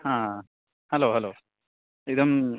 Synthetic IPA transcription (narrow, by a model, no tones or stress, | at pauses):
hãː | hɐloːɦɐloː | id̪ɐm